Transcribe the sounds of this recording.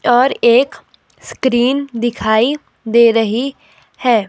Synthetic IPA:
ɔːɾeːk | skɾiːnd̪ɪkʰaːi | d̪eːɾəɦi | hɛː

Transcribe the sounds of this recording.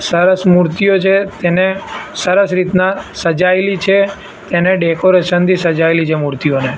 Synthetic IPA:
səɾəsmuɾt̪ijot͡ʃʰet̪enesəɾəsɾit̪nasəd͡ʒaelit͡ʃʰe | t̪eneɖekoɾeʃənt̪ʰisəd͡ʒaelit͡ʃʰemuɾt̪ione

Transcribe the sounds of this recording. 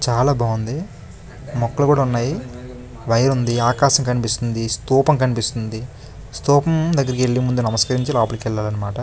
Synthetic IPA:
t͡ʃaːlaːbʱaːʋund̪i | mɔkːɐlɐɡuːɽaunːaːji | ʋɐjɐɾund̪iaːkaːʃɐŋkɐnipist̪und̪ist̪uːpɐŋkɐnipist̪und̪i | st̪uːpɐmd̪ɐɡːɐɾɐkieɭːimund̪unɐmɐskɐɾiɲt͡ʃilaːpulikɛɭːaːlɐnːɐmaːʈɐ

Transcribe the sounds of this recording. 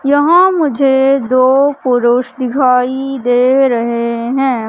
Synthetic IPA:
jɐɦãmʊd͡ʒʱed̪oːpʊɾʊʃd̪ɪkʰaːid̪eːɾɐɦeɦɛ̃ː

